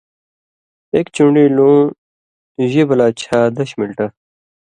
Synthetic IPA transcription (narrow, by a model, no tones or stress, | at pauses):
ekt͡ɕuɳɖiːlõː | ʑebɐlaːt͡ɕʰaːd̪ɐɕmilʈɐ